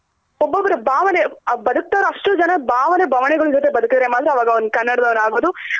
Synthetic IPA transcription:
obːɐbɐɾebʱaːʋɐnebɐd̪uk̚t̪aːɾuɐʂʈud͡ʒɐnɐbʱaːʋɐnebʱɐʋɐnɛɡɐɭud͡ʒot̪̬ebɐd̪ukid̪ɐɾemaːd̪ɾeɐʋaːɡɐond̪ukɐnːɐɽɐd̪ɐʋɐnaːɡoːd̪u

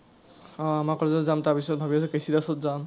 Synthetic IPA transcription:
ɔ̃amakɔɹzɔzamtapisɔt̚bʱabias̬ɛkesidasɔtzam

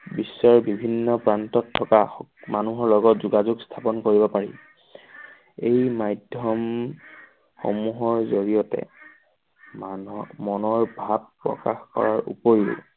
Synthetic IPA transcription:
bisːɔɹbibʱinːɔpɹantɔtʰːɔkamanuɦɔɹlɔɡɔtzuɡazuɡstʰapɔnkoɹibɔpaɹḭ | ejmajdʱjɔm | xo̰muɦɔɹzoɹijɔtɛ̰ | mɔnɔɹbʱab̚pɹɔ̰ka̰xkɔ̰ɹaɹṵpojṵ

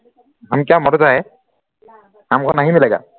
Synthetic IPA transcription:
amkamɔɾɔzaɛ | amkʰɔnaɦimɛlaɡa̰

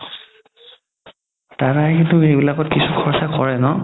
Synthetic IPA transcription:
tatakintʊejbilakɔtkisukʰɔɹsakɔɹɛnɔ

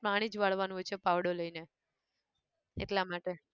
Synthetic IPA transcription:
pɾaɽ̃id͡ʒʋaɭ̤ʋanũɦojt͡ʃʰepaʋɽoləine | ḛʈlamaʈe

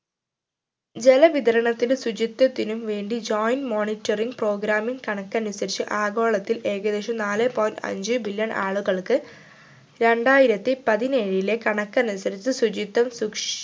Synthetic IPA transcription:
d͡ʑe̞lɐʋiðɐɾɐɳɐt̪ːilesud͡ʑit̪ːɐt̪ːinumʋe̞ːɳɖid͡ʑoːjnmo̞ːnitːɐriŋɡpro̞ːɡɾaːmiŋkɐɳɐkːɐnusɐɾit͡ɕːɨʔaːɡo̞ːɭɐt̪ːile̞ːɣɐðeʂɐmnaːlɨpoːjnɖɐ̰ɲd͡ʑɨbiljɐɳʔa̰ːɭuɣɐɭkɨ | ɾe̞ɳɖaːjiɾɐt̪ːipɐðineːɻile̞kɐɳɐkːɐnusɐɾit͡ɕːɨsud͡ʑit̪ːɐmsukʂ

